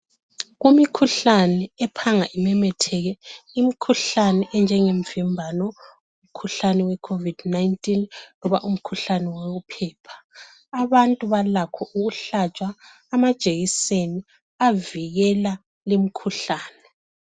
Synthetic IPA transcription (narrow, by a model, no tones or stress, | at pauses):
ɣumikʰuɬanɛɛpʰaŋaʔimɛmɛtʰɛɣɛimikʰuɬanɛʔɛnd͡ʒʱɛŋeɱvimbʱanɔ | um̩kʰuɬanɛwɛkʰovid̥najntʼinlɔβaʔum̩kʰuɬanɛweɣupʰɛːpʰḁː | βantʼuβalakʰɔʔuɣuɬat͡ʃʼaː | mad̥ʒ̥ʱeɣiseni | aviɣɛla | lemikʰuɬaːnɛ